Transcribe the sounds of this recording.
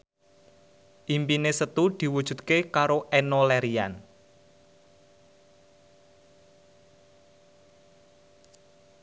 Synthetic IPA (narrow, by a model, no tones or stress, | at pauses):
ʔimpinesət̪ud̪̥i̤wud̥ʒ̥ṳt̪̚kekaɾoʔɛnolɛɾian